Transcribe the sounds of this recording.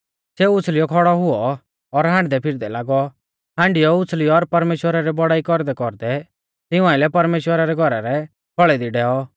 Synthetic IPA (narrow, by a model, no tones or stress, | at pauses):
seːuʊt͡sʰlɪjɔkʰɔɽɔɦʊɔː | ɾɦãːɳɖd̪ɛpʰɪɾd̪ɛlaːɡɔ | ɦãːɳɖɪjɔʊt͡sʰlɪjɔːɾpɐɾmeːʃwəɾaɾɛbɔɽaːikɔɾd̪ɛkɔɾd̪ɛ | t̪ɪʊ̃ãːɪlɛpɐɾmeːʃwəɾaɾɛɡʱɔɾaɾɛ | kʰɔɭɛd̪iɖɛːɔ